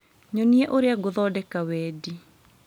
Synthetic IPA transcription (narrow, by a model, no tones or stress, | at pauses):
ɲoniɛʔoɾeaɡoðɔːdɛkawɛːdi